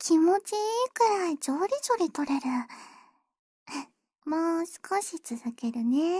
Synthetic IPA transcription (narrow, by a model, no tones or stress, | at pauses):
kʲimo̞t͡ɕikɯɾaid͡ʑoːɾʲid͡ʑoɾʲit̪o̞ɾe̞ɾɯ̟ | masɨ̥kʰaɕit͡sɨzɨke̞ɾɯ̟ne